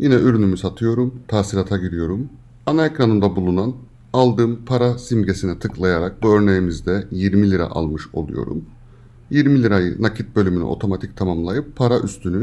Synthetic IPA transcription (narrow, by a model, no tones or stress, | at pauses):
jinɛyɾynymysat̪ʰɯjo̞ɾumt̪ʰaːsiɾat̪ʰaɟiɾijo̞ɾum | anaekɾanɯnd̪abulˠunan | alˠd̪ɯːmpʰaɾasimɟe̞sinɛt̪ʰɯklˠajaɾak̚buø̞ɾne̞jimizd̪ɛjiɾmilʲiɾa̰ʔa̰lˠmɯʃo̞lˠṵjo̞̰ɾṵm | jiɾmilʲiɾajɯ̰nacʰit̪̚bø̞lʲymyny̰ʔo̞̰t̪ʰo̞mat̪ʰic̚t̪ʰamamlˠajɯpʰːaɾaʔyst̪ʰyny